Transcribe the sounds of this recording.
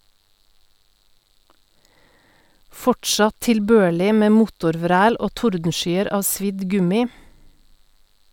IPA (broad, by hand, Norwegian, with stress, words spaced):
ˈfɔʈʃɑt tɪlˈbøːɭɪ ˈmeː ˈmʊtʊɾˌʋɾæːl ˈoː ˈtʊɾdn̩ˌʃyːəɾ ˈɑː ˈsʋɪd ˈɡʉmɪ